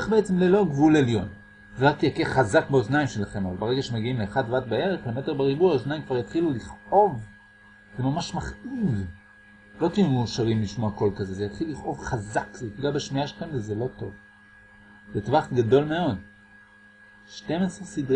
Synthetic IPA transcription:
χbeet͡semlelo̞ɡvuleljo̞n | zeʁak̚t̪akeχazakbeoznaimʃelaχe̞mavalbeeɡaʃemeɡiimleːχadvatbaeʁeχbemeteʁbeʁibuoznaimkvaʁjat̪χiluliχʔo̞v | zemamaʃmaχiv | lo̞t̪ijumuʃaʁimbiʃmoako̞lkazezejat̪χiluːiχʔo̞vχazakzetɡuabeʃmijaʃelaχemvezelo̞to̞̰v | zet̪vaχɡado̞lme̞o̞d | ʃte̞mesʁesidʁ

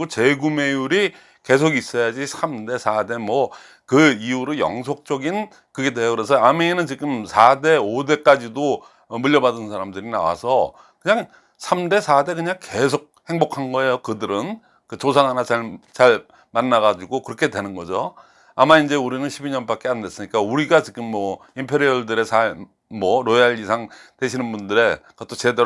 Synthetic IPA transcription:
ot͡ɕeɡume̞juɾi | ke̞s̬ʰoɡis͈ʌjad͡ʑisʰamde̞sʰade̞mwʌ | kɯiuɾɯjʌ̰ŋs̬ʰok̚t͡ɕ͈ʌɡin | kɯɡe̞dwe̞jokɯɾe̞s̬ʰʌameinɯnt͡ɕiɡɯmsʰade̞ode̞k͈ad͡ʑido | muʎːʌbadɯnsʰaɾamdɯɾina̰wa̰sʰʌ | kɯɲaŋ | sʰamde̞sʰade̞kɯɲaŋke̞sʰok̚he̞ŋbokʰanɡʌe̞jokɯdɯɾɯn | kɯt͡ɕos̬ʰaŋɦanat͡ɕaɭt͡ɕaɭ | manːaɡad͡ʑiɡokɯɾʌkʰe̞dwe̞nɯnɡʌd͡ʑo | amaind͡ʑe̞uɾinɯnɕʰibiɲʌnbak͈e̞ande̞s͈ɯɲik͈auɾiɡat͡ɕiɡɯmːʌimpʰe̞ɾiʌɭdɯɾe̞sʰa | mwʌɾojaɭisʰaŋte̞ɕʰinɯnbundɯɾe̞kʌt͈ʰot͡ɕe̞de

